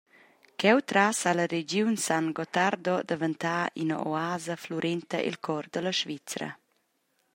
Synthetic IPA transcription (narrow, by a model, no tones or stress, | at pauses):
kɛwt̪ɾasaləɾed͡ʒjunsanɡɔt̪aɾd̪ɔd̪əvənt̪aːʔḭnə̰ʔo̰aːzəfluɾʔɛnt̪ə̰ʔḭlkʰɔɾd̪ələʃvit͡sɾə̰